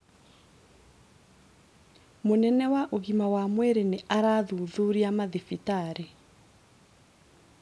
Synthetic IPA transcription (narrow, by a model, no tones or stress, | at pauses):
monɛnɛwaʔoɣimawamwɛɾeneʔaɾaːðuːðuɾiamaðefitaɾe